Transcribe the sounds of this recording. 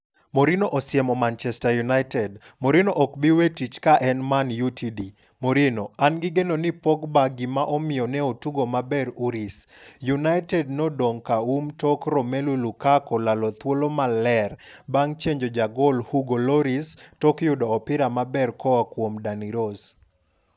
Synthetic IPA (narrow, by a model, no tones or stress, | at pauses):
moɾinoʔɔsɪɛmɔmant͡ʃɛstajunaɪtɛd | moɾinoʔɔkbiwetit͡ʃkaʔɛnmanjutʰidi | moɾinoanɡɪɡenonɪpɔkbaɡimaʔɔmɪjɔnɛotuɡomabɛɾuɾisjunajtɛdnɔdoŋkaumtɔkɾɔmelulukakɔlalɔt̪wolomalɛrbaŋt͡ʃeɲd͡ʒod͡ʒaɡɔlhuɡolɔɾistɔkjʊdɔːpɪɾamabɛrkɔwakwomdaniɾos